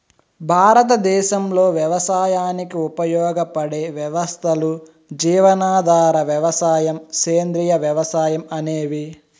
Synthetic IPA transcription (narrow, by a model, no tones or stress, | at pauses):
bʱaːɾɐt̪̬ɐd̪ɛːʃɐmlo̞ːʋjɐʋɐsaːjaːnikiupɐjɔːɡɐpɐɽeːʋjɐʋɐst̪ʰɐlu | d͡ʒiːʋɐnaːd̪ʱaːɾɐʋjɐʋɐsaːjɐmkeːnd̪ɾijɐʋjɐʋɐsaːjɐmɐneːʋi